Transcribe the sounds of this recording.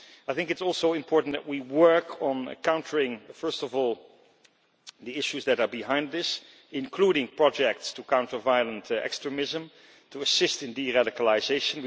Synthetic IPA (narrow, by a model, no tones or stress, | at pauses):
ajθɪ̃ŋkɨtsɔlˠsoʊɪ̃mpʰɔɹʔn̩ðɨ̰t̚wiwɜ˞kʰə̃n̩̰kãʊ̃ntʰəɹɪ̃ŋfɜ˞stɔvɔːlˠ | ðiɪʃuzðɨɾə˞biɦãɪ̃nd̪ðɪs | ɪ̃nkʰluɾɪ̃ŋpʰɹ̥ɑd͡ʒɛk̚tstukʰãʊ̃ntə˞vaɪəlˠə̃ntʰɛ̰kstɹ̥əmɪzə̃m | tʰuəsɪstɨ̃ndiɹaɾɪkəlˠaɪzeɪʃə̃n